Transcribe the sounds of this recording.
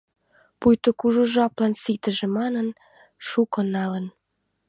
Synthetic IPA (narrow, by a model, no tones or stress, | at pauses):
pujt̪ŏkuʒuʒɑplɑnsit̪ə̆ʒĕmɑnən | ʃukɤ̆nɑlə̆n